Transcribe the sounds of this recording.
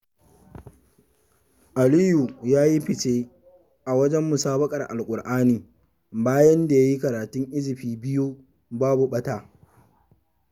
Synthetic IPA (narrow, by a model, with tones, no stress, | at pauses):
ʔa˨liː˦ju˨jaː˦ji˦ɸɪ˨t͡ʃeː˦ | ʔa˨wɐ˦d͡ʒɛ˦mːʊ˨saː˦bɐ˦kʼɐ˨rʔa̰˨lkʷʼʊ˨rʔaː˦niː˨ | baː˦jɐ˦nda˨ja˦ji˦kɐ˨ɾaː˨tʊ˦ŋʔɪ˦zɪ˨ɸiː˨bɪ˦ju˦ | baː˦bu˨ɓɐ˦taː˦